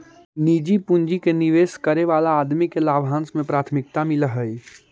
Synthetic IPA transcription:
nid͡ʒipund͡ʒikeniʋeskəɾeʋalaːd̪mikelabʱɦãnsmẽpɾaːt̪ʰmɪk̚t̪amiləɦəj

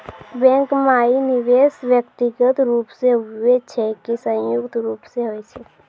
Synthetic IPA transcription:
bɛ̃ːŋkmaːinɪʋeːswjəkt̪iɡət̪ɾuːpsewet͡ʃʰɛkisə̃jʊkt̪ɾuːpseɦoːet͡ʃʰɛ

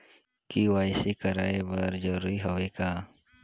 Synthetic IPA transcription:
kiʋwaːsikɐɾaːebɐɾd͡ʒɐɾuːɾiɦoʋekaː

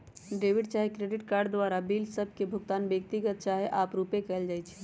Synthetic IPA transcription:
ɖeʋiɖt͡ʃaːɦekɾeɖɪʈkaːɾɖd̪ʋaɾabiːlsəb̚ʱkebʱʊɡt̪aːnbjək̚t̪iɡət̪̚t͡ʃaɦeʔaːpɾupekɛld͡ʒaːjt͡ʃʰɛ̥

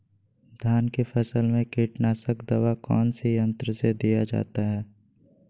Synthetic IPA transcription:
d̪ʱjaːnkefʰɛsəlmẽkiːʈnaːsəkd̪ɐʋakɔːnsijə̃nt̪ɾəsed̪ijad͡ʒa̰ːt̪aɦɛː

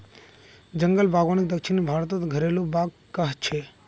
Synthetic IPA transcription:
d͡ʒəŋɡəlbaːɡoñɪk̚d̪əkʃɪnbʱaːɾt̪ot̪ɡʱəɾelubaːɡ | kəɦt͡ʃʰe

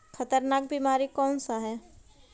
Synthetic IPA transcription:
xɐt̪əɾnaːk̚biːmaːɾikɔːnsaɦɛː

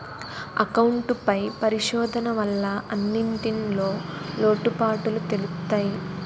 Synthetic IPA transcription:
ɐkɐwuɳʈpɐjpɐɾiʂɔːd̪ʱɐnɐʋɐlːɐɐnːiɳʈinlo̞ːlo̞ːʈupaːʈulut̪e̞lust̪aːji

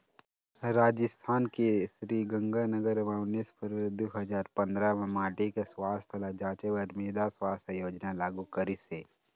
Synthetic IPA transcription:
ɾaːd͡ʒɪst̪ʰaːnkesɾiːɡə̃ŋɡanəɡəɾʋaːʊnispʰəɾʋed̪uɦəzaːɾpɐ̃nd̪ɾamẽmaːʈikeswaːst̪ʰəlad͡ʒãːt͡ʃeʋəɾmeːd̪aswaːst̪ʰejoːd͡ʒnalaːɡukəɾiseː

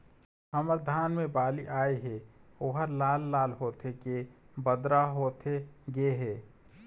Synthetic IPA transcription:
həməɾd̪ʱaːnmebaːliʔaːeɦɛoɦəɾlaːlːaːlɦoːt̪ʰeke | bəd̪ɾaɦoːt̪ʰeɡeɦeː

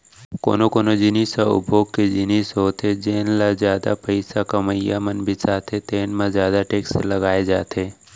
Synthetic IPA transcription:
ko̰ːnokoːnod͡ʒɪniːsaʊ̰bʱoːɡ̚ked͡ʒɪniːsɦoːt̪ʰed͡ʒeːnlazjaːd̪a̰pəɪsakɐməja̰mənbʱisaːt̪ʰet̪eːnmãzjaːd̪aʈeːkselɐɡaːed͡ʒaːt̪ʰeː

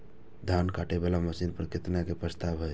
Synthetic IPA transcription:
d̪ʱankaʈebelaməsinpəɾəkit̪nakepɾəst̪abɦo

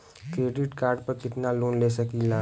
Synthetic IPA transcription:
kɾeːɖɪʈkaːɾɖpəɾkɪt̪naloːnleːsɐkilaː

